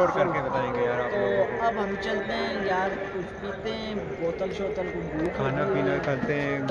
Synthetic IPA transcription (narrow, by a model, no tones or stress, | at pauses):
oːɾkɐɾkebɐt̪aːẽɡejaːɾaːt̪oɐbɦɐmt͡ʃɐlt̪eɦɛ̃jaːɾkʊt͡ʃʰpiːt̪eɦɛ̃boːt̪əlʃoːt̪əlɡʊ̃mɡukʰaːnafiːnəlkʰɐlt̪eɦɛ̃